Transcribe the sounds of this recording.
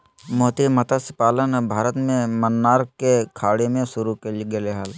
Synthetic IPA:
moːt̪imət̪asɪpaːlənbʱaːɾət̪mẽmənːaːɾkekʰaːɽemẽsʊɾukelɡeleɦaːl

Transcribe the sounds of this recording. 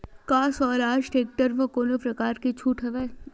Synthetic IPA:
kaːsɔːɾaːʃʈeːk̚ʈəɾʋɐkoːnopɾɐkaːɾket͡ʃʰuːʈʰɦɛʋeː

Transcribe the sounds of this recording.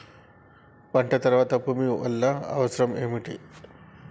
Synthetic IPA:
paɳʈat̪əɾʋat̪apumiə̰lːaa̰ʋəsɾəmemiʈḛ

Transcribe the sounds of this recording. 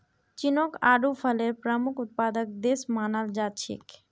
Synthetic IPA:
t͡ʃinokaːɖupʰəleɾpɾəmʊkʰʊt̪̚paːd̪ək̚d̪esmaːnald͡ʒat̪̚t͡ʃʰḭk

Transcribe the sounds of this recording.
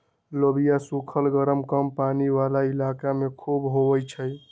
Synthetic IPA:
lobijasukʰəlɡəɾəmkəmpaniʋalailakamekʰubɦoʋəjt͡ʃʰə

